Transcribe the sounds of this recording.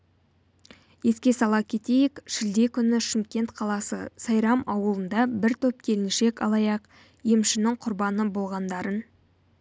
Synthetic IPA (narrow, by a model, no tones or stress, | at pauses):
je̞skʲe̞sɑlˠɑkʲʰe̞t̪e̞jɪkʃɪld̪e̞kʲʰʏnɪʃɪmkʲe̞nt̪qʰɑlˠɑsə̰sɑjɾɑmɑwəlˠənd̪ɑbɪɾt̪ʰɵp̚kʲʰe̞lɪnʃe̞kɑ̰lˠɑjɑq | jemʃɪnɪŋqʰʊɾbɑnəbolˠʁɑnd̪ɑɾən